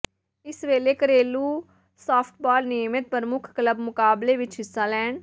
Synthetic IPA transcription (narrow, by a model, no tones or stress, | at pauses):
ɪsʋeːleːkəɾeːluː | saːpʰʈ̚bɔːlniːmɪt̪̚pəɾəmʊkʰkləbmʊkaːbleːʋɪt͡ʃɦɪsːaːlɛːɳ